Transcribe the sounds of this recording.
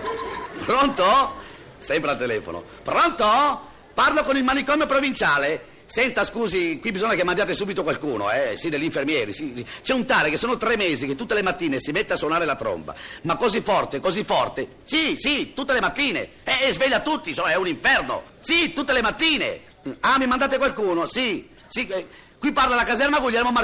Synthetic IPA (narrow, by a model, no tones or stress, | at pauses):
pɾɔnt̪o | sɛmpɾealt̪elɛːfo̰no̰ | pɾɔnt̪o | parlokonilmanikɔmjopɾovint͡ʃaːle | sɛnt̪askuːzikwibːizɔɲːakemːand̪jaːt̪esuːbit̪okwalkuːno̰ɛsid̪eʎːiɱfermjɛːɾisit͡ʃɛunt̪aːlekesːoːnot̪ɾemːeːziket̪ːut̪ːelemat̪ːiːnesimet̪ːeaswonaːɾelat̪ɾɔ̰mba̰makːozifːɔrt̪ekozifːɔrt̪e | sisit̪ut̪ːelemat̪ːiːnḛ | ɛːzveʎːat̪ut̪ːisoːaɛuniɱfɛrno̰ | sit̪ut̪ːelemat̪ːiːnḛ | amːimand̪aːt̪ekwalkuːnosi | si | kwipːarlalakazɛrmaɡuʎːɛɾmoma